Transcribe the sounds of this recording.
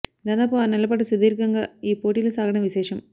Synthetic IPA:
d̪aːnaːpoːnɛlːɐp̬ɐʈːɐsʊd̪iːɾkːɐŋɡɐiːpoːʈːilɐsaːɣɐɽɐʋɪseːʂɐm

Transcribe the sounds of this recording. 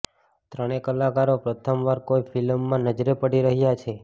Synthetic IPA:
t̪ɾəɽ̃ekəlːakaɾopɾət̪ʰəmʋaɾkojfʰilmːãnəd͡ʒɾepəɽiɾəɦjat͡ʃʰe

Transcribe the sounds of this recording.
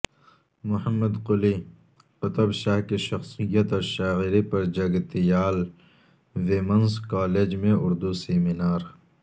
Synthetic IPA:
mʊhɐmːɐd̪qʊli | pɐt̪ɐbʃaːhkiʃɐxsijɐt̪ɐːɾʃaːɣiɾipɐɾd͡ʒɐɡt̪ijaːl | wemɐnzkaːleːd͡ʒmẽʔʊɾd̪useminaːɾ

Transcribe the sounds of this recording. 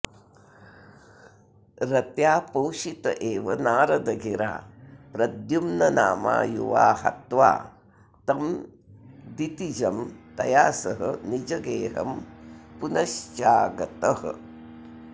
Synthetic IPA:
ɾɐt̪jaːpowʃit̪ɐʔeːʋɐnaːɾɐd̪ɐɡʱiɾa̰ːpɾɐd̪jumnɐnaːma̰ːjṵʋa̰ːhɐ̰t̪ʋa̰ː | t̪ɐm | d̪it̪id͡ʒɐmt̪ɐjaːsɐɦɐ̰nid͡ʒɐɡeːɦɐ̰mpunɐʃt͡ʃaːɡɐt̪ɐhɐ̰

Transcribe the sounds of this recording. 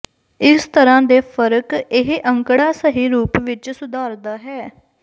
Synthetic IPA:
ɪst̪əɾãːd̪eːpʰəɾəkɪɦʔəŋkɽaːsəɦiːɾuːpʋɪt͡ʃsʊd̪aːɾd̪aːɦɛː

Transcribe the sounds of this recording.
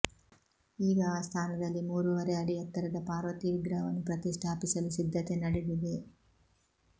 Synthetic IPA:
iːɡɐaːst̪ʰaːnɐd̪ɐlːimuːɾuʋɐɾɛɐɽiɐt̪ːɐɾɐd̪ɐpaːɾʋɐt̪iʋiɡɾɐːʋɐnupɾɐt̪iʂʈʰaːpisɐlusid̪ʱːɐt̪enɐɽid̪id̪e

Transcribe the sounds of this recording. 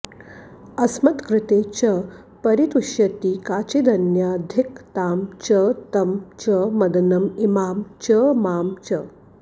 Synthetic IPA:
ɐsmɐt̪kɾɪt̪eːt͡ɕɐ | pɐɾit̪uʃjɐt̪iːkaːt͡ɕed̪ʱɐnjad̪ʱikt̪aːmt͡ʃət̪ɐmt͡ʃəmɐd̪nɐmimaːmt͡ɕəmaːmt͡ʃɐ

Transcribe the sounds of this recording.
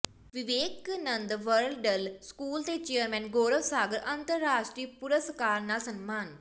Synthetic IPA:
ʋɪʋeːknənd̪ʋəɾlɖəlskuːlt̪eːt͡ʃeːəɾmɛ̃ːnɡoːɾəʋsaːɡəɾʔənt̪əɾːaːʃʈɾiːpʊɾəskaːɾnaːsənmaːn

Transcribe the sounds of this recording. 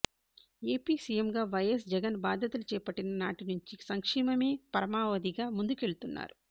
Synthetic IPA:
e̞ːpiːsijemɡaːʋɐjɐs̬d͡ʒɛɡɐnbaːd̪ʱjɐt̪ulut͡ʃɛːpɐʈːinɐnaːʈinuɲt͡ʃisɐŋkʂiːmɐme̞ːpɐɾɐmaːʋɐd̪iɡaːmund̪uke̞ɭut̪unːa̰ːɾu

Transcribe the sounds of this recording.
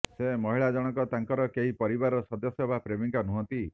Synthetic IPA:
semɔɦiɭad͡ʒɔɽ̃ɔkɔt̪aŋkɔɾɔkeɦipɔɾibaɾɔsɔd̪ɔsjɔbapɾebiŋkɔnuɦɔ̃nt̪i

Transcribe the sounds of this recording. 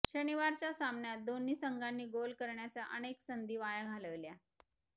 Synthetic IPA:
ɕəniʋaɾt͡ɕjasamɳjat̪̚d̪onːiːsəŋɡanːiːɡolkəɾɳjat͡saʔəneksənd̪iːʋajaɡʱaləʋlja

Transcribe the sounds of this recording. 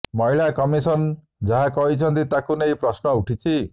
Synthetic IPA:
mɔɦiɭakɔmisɔn | d͡ʒaɦakɔɦit͡ʃʰɔnt̪it̪akunejpɾɔsnɔuʈʰit͡ʃʰi

